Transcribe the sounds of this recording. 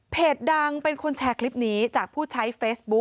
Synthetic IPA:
pʰeː˨˩t̪̚da˧ŋpe˧nkʰo˧nt͡ɕʰɛː˧kʰli˦˥p̚niː˦˥t͡ɕaː˨˩k̚pʰuː˥˩t͡ɕʰa˦˥jfeː˦˥sbu˦˥

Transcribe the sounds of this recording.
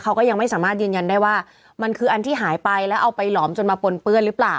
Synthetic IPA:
kʰa˦˥wkɔː˥˩ja˧ŋma˥˩jsaː˩˦maː˥˩t̪̚jɯː˧nja˧ndaː˥˩jwaː˥˩ | ma˧nkʰɯː˧ʔa˧nt̪ʰiː˥˩ɦaː˩˦jpa˧jlɛː˦˥wʔa˧wpa˧jlɔː˩˦mt͡ɕo˧nmaː˧po˧npɯ˥˩ənɾɯː˦˥plaː˨˩w

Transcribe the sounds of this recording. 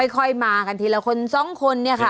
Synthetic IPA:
jkʰɔ˧jmaː˧ka˧nt̪ʰiː˧la˧˩kʰo˧nsɔ˧˥˩ŋkʰo˧nːi˥˩ɐkʰa˥˩

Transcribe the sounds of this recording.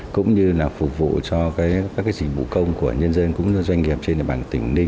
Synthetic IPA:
kʊ̰˧˥ŋ͡mɲɨ˧laː˨˩fʊ˨˩k͡p̚vṵ˧˨t͡ɕɔ˧kaː˨˦jkaː˦k̬ːaː˨˦jzï˨˩vṵ˧˨kə˧wŋ͡mku˧˩əɲə˧ənzə˧nkʊ̰˧˥ŋ͡mɨ˧zwa˧jŋ̟ŋi˨˩əp̚t͡ɕe˧nʔəː˧˩ɓaː˧˨˩nt̪ï˧˩ŋ˨˦nɗï˧

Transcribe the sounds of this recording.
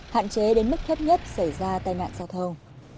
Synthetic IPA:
ha̰ː˧˨nt͡ɕe˨˦ɗe˨˦nmɨ˦˥k̚t̪ʰe˦˥p̚ɲə˦˥t̚sa˧˩jzaː˧t̪aː˧jna̰ː˧˨nzaː˧wt̪ʰə˧wŋ͡m

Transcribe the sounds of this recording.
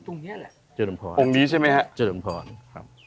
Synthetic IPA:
t̪u˧ni˦˥˨lɛ˧˩ | t͡ɕə˧˩˦mpʰɔ̰ː˨˩o˧˦˧ŋniː˦˥t͡ɕʰa˥˩ma˦˥jhɛ˦˥ʔt͡ɕəː˧˩˦pʰɔː˨˩nkʰa˦˥p̚

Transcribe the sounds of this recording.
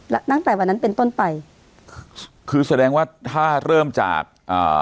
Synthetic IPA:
lɛ˦˥t̪aː˥˩ŋt̪ɛː˨˩wa˧nːa˦˥npe˧nt̪o˥˩npa˧j | kʰɯː˧sa˧dɛː˧ŋwaː˥˩t̪ʰaː˥˩ɾɤː˥˩mt͡ɕa̰ː˨˩k̚ʔa̰ː˨˩

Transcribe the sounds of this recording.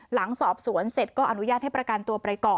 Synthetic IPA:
la˩˦ŋsɔː˨˩p̚su˩˦ənse˨˩t̪̚kɔː˥˩ʔa˧nu˦˥jaː˥˩t̪̚ha˥˩jpɾa˧ka˧nt̪u˧pɾa˧jkɔː˨˩

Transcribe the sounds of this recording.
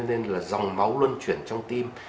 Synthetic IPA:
ne˧nlaː˨˩zɔ˨˩wŋ͡mma˨˦wlwə˧nt͡ɕwḭ˧˩ənt͡ɕɔ˧wŋ͡mt̪i˧m

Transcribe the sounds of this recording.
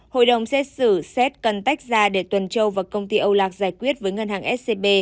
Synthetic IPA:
ho̰˧˨jɗə˨˩wŋ͡msɛ˦˥t̚sɨ˧˩sɛ˦˥t̚kə˨˩nt̪a˦˥jk̟̚zaː˧ɗe˧˩t̪wə˨˩nt͡ɕə˧wvaː˨˩wkə˧wŋ͡mt̪i˧ʔə˧wlaː˨˩k̚zaː˧˩jkwi˦˥ət̚vəː˨˦jŋə˧nɦaː˨˩ŋʔɛ˦˥t̚se˧ɓe˧

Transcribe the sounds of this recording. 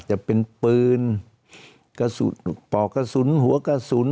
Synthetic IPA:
t͡ɕa˨˩pe˧npɯː˧n | ka˧sṵ˨˦pɔː˨˩ka˧su˨˦nɦu˨˦ɐ˦ka˧su˨˦n

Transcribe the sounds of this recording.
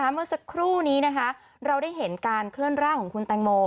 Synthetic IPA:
aː˦˥mɯ˥˩əsa˧kʰɾuː˥˩niː˦˥na˦˥kʰa˦˥ | ɾa˧wdaː˥˩jɦe˩˦nkaː˧nkʰlɯ˥˩ənɾaː˥˩kʰɔː˩˦ŋkʰu˧nt̪ɛː˧ŋmoː˧

